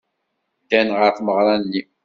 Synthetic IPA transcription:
d̪ænʁəɾfməʁɾˤɑnːi

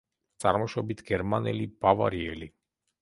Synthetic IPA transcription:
t̪sʼa̰ɾmɔʃɔbit̪ʰɡɛɾmanɛlibava̰ɾiɛli

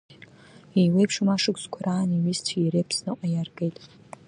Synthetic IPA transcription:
iwejpʰʂɨmaʂɨkʷʰʼzkʷʰaɾaːniwistʰːɾepʰsnɨqʼajarɡejtʼ

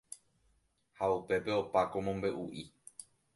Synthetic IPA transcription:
haupe̞pe̞o̞pako̞mõ̞mbe̞ʔuʔi

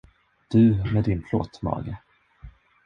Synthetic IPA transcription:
d̪̥ɵmɛd̪ɪnpʰlo̰ːt̪mɑ̰ːɡə

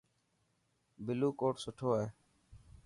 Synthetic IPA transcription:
bɪluːkoːʈsʊʈʰoːɦeː

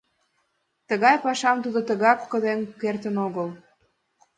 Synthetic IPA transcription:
t̪əɣɑjpɑʃɑmt̪ud̪ot̪ə̆ɣɑkːə̆d̪eŋkert̪ənoɣəl

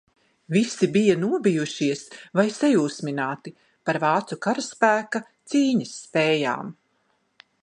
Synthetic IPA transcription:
visibijanuɔbijuʃiɛsvajsɛjuːsminaːt̪i | paɾvɑːt̪sukaɾaspæːkat̪siːɲɐsːpɛːja̰ːm

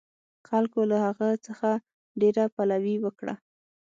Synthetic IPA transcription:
xalkolahaɣət͡səxa | ɖeɾapalawiwəkɽa̰

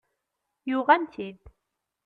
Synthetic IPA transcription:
jʊʁænt̪ʰid̪

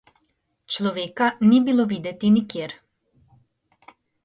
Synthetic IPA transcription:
t͡ʃlɔʋeːkaniːbiloʋiːd̪ɛt̪inikjeːɾ

